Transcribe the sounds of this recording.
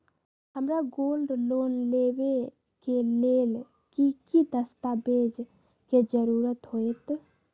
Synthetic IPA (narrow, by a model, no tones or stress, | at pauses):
ɦəmɾaɡolɖlonlebe | kelel | kikid̪əst̪abed͡ʒ | ked͡ʒəɾuɾət̪ɦoet̪